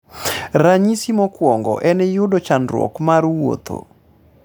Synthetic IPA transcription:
ɾaɲisimɔkwɔŋɡɔ̰ʔɛnɛjʊdot͡ʃanɾwɔ̰kmarwo̰t̪ʰo̰

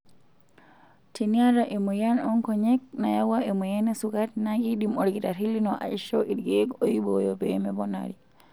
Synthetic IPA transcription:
tʰiniaɾaʔɛmujanɔŋkɔɲɛk̚na̰jawaɛmujanɛsukatnaɡiɗimɔɾɡitaɾilinɔʔa̰iʃɔʔiɾɡɛɡɔjibɔ̰jɔbɛmɛbɔna̰ɾi

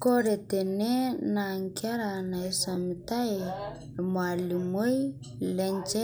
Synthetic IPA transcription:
koɾed̪enenaːŋkʲaɾanaesamit̪aj | mualimuj | lend͡ʒe

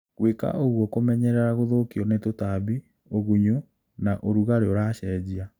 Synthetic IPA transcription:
ɣweka̰ʔoɣwɔkomɛɲɛɾɛɾaɣoðokiɔnetotaβi | oɣuɲu | naʔoɾuɣaɾeoɾaɕɛd͡ʑia

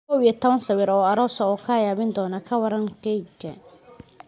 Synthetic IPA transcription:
kʰɔwijɐt̪ʰɔβɐnsɐwɪɾɔːɐɾɔːsɐɔːkʰaːjaːβɪnd̪ɔːnɐkʰɐwɐɾɐŋɡɛjɡɐ̰

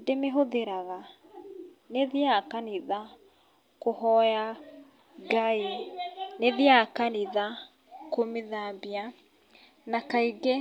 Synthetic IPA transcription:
demeɦoðeɾaɣa | neðiakaniða | kohɔja | ɡaineðjakaniða | komeðabia | nakaiɡe

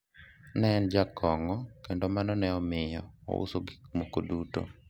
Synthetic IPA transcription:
nɛnd͡ʒakʰɔŋɔkendomanɔnɛɔmɪjɔɔ̰ṵsoɡimokoduto̰

